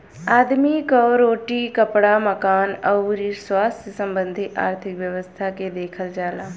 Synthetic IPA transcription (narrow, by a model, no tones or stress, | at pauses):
aːd̪mikɔɾoːʈikɐpɽaməkaːnɐɾiswaːsesɐ̃mbə̃nd̪ʱiʔa̰ːɾt̪ʰɪkʋjəʋəst̪ʰaked̪eːkʰəld͡ʒaːlaː